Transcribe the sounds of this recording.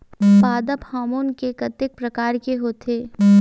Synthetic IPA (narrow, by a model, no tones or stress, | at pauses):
paːd̪əphaːmoːnkekɐt̪ɪk̚pɾɐkaːɾkeɦoːt̪ʰeː